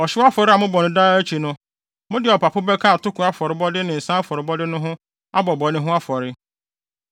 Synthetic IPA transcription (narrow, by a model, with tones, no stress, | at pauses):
ɔ˨ɕɪ˦a˦fɔ˨ɾɪ˦a˨mʊ̃˦bɔ˨nʊ̃˨da˦æ˦t͡ɕʰi˨nʊ̃˦ | mʊ̃˦dɪ˨ɔ˨pʰa˨pʰʊ˦bɛ˦kʰã˦a˨tʊ˦kʰʊ˨a˦fɔ˨ɾɪ˨bɔ˦dɪ˦nɪ̃˨n̩˨sã˦a˦fɔ˨ɾɪ˨bɔ˦dɪ˦nʊ̃˦ɦʊ̃˦ | a˦bɔ˨bɔ˨nɪ̃˦ɦʊ̃˦a˦fɔ˨ɾɪ˦